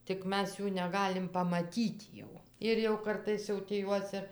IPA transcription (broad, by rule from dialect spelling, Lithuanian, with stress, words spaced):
tʲɪk ˈmʲɛs ˈjuː nʲɛˈɡɑːlʲɪm pɐmɐˈtʲiːt jɛʊ ɪr jɛʊ ˈkɐrtɐɪs jɛʊ tʲiː ˈjuɔs ɪr